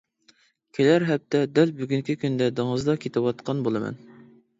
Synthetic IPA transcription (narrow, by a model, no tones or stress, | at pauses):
kʲʰelæɾɦɛp̚t̪ʰɛd̪ɛlbyɡʲyŋkʲikʲynd̪ɛd̪ɨŋəzd̪ɑkʲʰet̪ʰɪwɑt̪qɑnbolˠɨmɛ̰n